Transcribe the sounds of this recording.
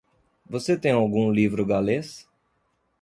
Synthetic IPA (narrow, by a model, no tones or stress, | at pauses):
voset̪ẽj̃awɡũlivɾʊɡales